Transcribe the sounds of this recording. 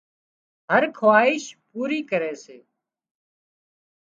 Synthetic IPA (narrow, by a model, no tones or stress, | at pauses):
ɦəɾkʰʋaːɪʃpuːɾiːkəɾeːseː